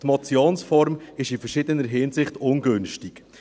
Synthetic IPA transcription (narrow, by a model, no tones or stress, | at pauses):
tmɑt͡sjoːnsfɔɾmɪʃifərʃɪdənəɾɦɪnsɪχtʊnɡɵnʃtik